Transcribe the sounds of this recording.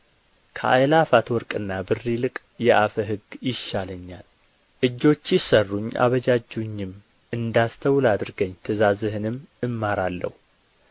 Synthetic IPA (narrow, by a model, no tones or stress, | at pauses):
kʰəʔajlafat̪wɔɾkʼɨnːabɨrːilɨkʼ | jɛʔafəɦɨɡjɪʃːaləɲːal | ʔɨd͡ʒːo̞t͡ʃːjɪsərːuɲːʔa̰βəd͡ʒad͡ʒuɲːɪm | ɨnd̪ast̪ʰəwlad̪ɨɾɡəɲːt̪ʰɨzazɨhɨnɨmːɨmːaɾalːə̰hu